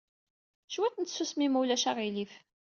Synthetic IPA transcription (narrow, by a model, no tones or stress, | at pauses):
ʃwæt̪nsusmimulæʃæʁilif